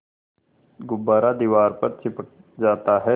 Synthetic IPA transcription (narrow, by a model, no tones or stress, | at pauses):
ɡʊbaːɾad̪iːʋaːɾpɐɾt͡ʃʰɪp | d͡ʒaːt̪aɦɛː